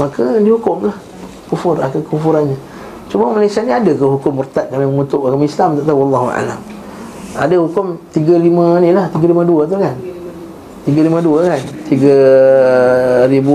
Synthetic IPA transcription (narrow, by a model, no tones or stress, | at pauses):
makədihukʊmlah | kufʊra̰kəkufuɾanɲə | t͡ʃuməmalasaniadəkəɦukʊmːurt̪at̪̚kalaməŋut̪ʊʔkamislamt̪aʔt̪awɑlːɑɦua̰la̰m | a̰dəhukʊmt̪iɡəlimənilaht̪iɡəliməduət̪̬ukan | t̪iɡəliməduəkant̪iɡə | ɾibu